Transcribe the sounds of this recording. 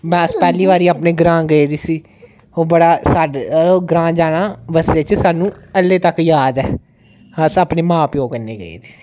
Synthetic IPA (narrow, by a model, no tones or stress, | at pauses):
mɛ̃ːəspɛːliːʋaːɾiːaːpneːɡɾãːɡəiːd̪iːsiː | oːbəɽaːsaɖɡɾãːd͡ʒaːɽaːʋəsleːt͡ʃsaːnũːəlːeːt̪əkjaːd̪ɛː | əsaːpneːmãːpjoːɡənːḛːɡə̰ḭːd̪iːsi̥ː